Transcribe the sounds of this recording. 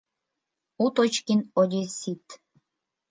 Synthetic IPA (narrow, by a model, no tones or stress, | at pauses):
ut̪ot͡ɕkinod̪ʲesit̪